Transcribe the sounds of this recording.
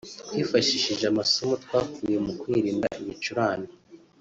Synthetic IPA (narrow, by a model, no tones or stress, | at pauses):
twiːfaʃiʃiʒeamasomutwaːkuːje̞mukwiɾiːnda̰ʔiβit͡ʃuɾaːni